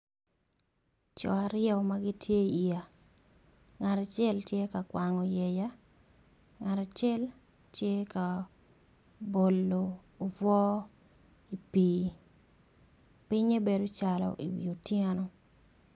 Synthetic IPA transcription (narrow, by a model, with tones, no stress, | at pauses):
t͡ʃɔ̰˨a˨ɾɪjɛ˦˨ma˦ɡɪ˦tje˦i˨ja˨ | ŋa˨ɾa˨t͡ʃɛ˦ltje˦ka˨kwa˨ŋɔ˨je˨ja˦ | ŋa˨ɾa˨t͡ʃɛ˦l | tje˦ka˨ | bo˨lːoː˨ | vwɔ˦ | i˨piː˨ | pɪ˦ɲe˦be˨ɾo˦t͡ʃa˨lɔ̰˨ʔi˨wḭo˨tje˦no˦